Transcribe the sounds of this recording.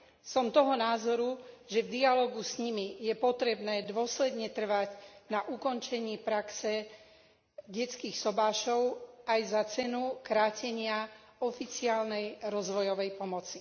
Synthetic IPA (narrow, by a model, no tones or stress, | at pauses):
sɔmt̪ɔɦɔnaːzɔɾuʒɛvd̪ialɔːɡusɲimijɛpɔt̪ɾɛbnɛːd̪ʊɔslɛd̪ɲɛt̪r̩ʋaɟnaʔukɔnt͡ʃɛɲiːpɾaksɛ | ɟɛt͡skiːxsɔbaːʃɔʊajzat͡sɛnukɾaːcɛɲɪa | ɔfit͡siaːlnɛjɾɔzʋɔjɔʋɛjpɔmɔt͡si̥